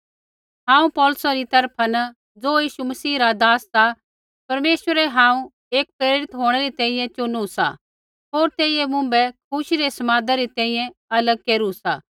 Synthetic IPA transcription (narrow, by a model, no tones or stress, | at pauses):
ɦãːũpɔːlʊsãɾit̪ɐɾpʰan | d͡zoːjiːʃumɐsiːɾad̪aːsːa | pɐɾmeːʃwəɾɛɦãːũ | eːk̚pɾeːɾɪt̪ɦoːɽ̃ɛɾit̪ɛ̃ːĩjɛ̃t͡ʃʊnusa̰ | ɦoːɾt̪eːijemʊ̃bɛkʰʊʃiɾesɐmaːd̪aɾit̪ɛ̃ːĩjɛ̃ɐləɡ̚keːɾusaː